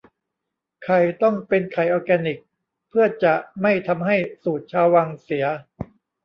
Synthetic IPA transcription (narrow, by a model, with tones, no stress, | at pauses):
kʰa˨˩jt̪ɔ˥˩ŋpe˧nkʰa˨˩jʔɔː˧kɛː˧nːi˨˩k̚ | pʰɯ˥˩ɐt͡ɕa˨˩ma˥˩jt̪ʰa˧mɦa˥˩jsuː˨˩t̪̚t͡ɕʰaː˧wːaː˧ŋsi˩˦ɐ